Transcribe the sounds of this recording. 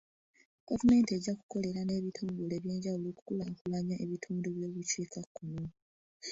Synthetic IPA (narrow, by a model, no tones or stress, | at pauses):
ɡavume̞ːntieɟːaku̥ko̞le̞ɾane̞ːβitʰuːŋɡule̞βje̞ːɲɟawuloku̥kulaokulaɲaʔe̞βitʰuːndoβjoːβuceːkakːunu